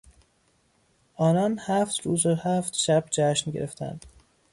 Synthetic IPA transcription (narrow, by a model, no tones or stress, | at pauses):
ʔɒːnɒːnhæft̪ɾuːzohæft̪ʃæbd͡ʒæʃnɟeɾeft̪ʰæ̰nd̪̥